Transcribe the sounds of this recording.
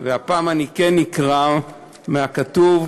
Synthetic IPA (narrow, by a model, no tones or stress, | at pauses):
veapaːmanikenːikʁa | meakatuv